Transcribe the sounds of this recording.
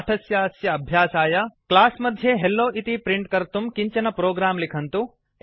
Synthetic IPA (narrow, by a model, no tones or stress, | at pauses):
ɐʈʰɐsjɐɐsjɐɐbʱjaːsaːjɐklaːsmɐd̪ʱjeɦelːoːʔit̪ipɾiɳʈkɐɾt̪umkiɲt͡ʃɐnɐpɾoːɡɾaːmlikʰɐnt̪u